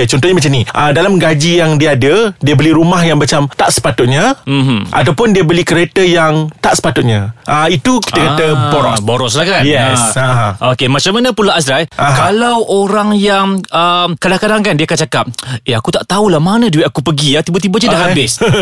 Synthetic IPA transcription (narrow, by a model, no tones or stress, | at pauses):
t͡ʃɔnt̪ɔhɲamat͡ʃamniʔədalamɡad͡ʒijaŋdiəadədiəbəliɾumahjaŋmat͡ʃamt̪aʔsə̥pat̪ʊt̪̚ɲaɦ̩ʔa̰t̪awpʊndiəbəlikəɾet̪əjaŋt̪aʔsə̥pat̪ʊt̪̚ɲãʔəit̪uki̥t̪əkat̪əboɾɔsboɾɔs̬lahkajɛsaokemat͡ʃamanə̃pulaasɾajakalawʔoɾaŋjaŋəmkadaŋkadaŋkandiəkant͡ʃakap̚eakut̪aʔt̪aulahmanəduɛt̪akupəɡijat̪ibət̪̬ibəd͡ʒadaʔɦabɪs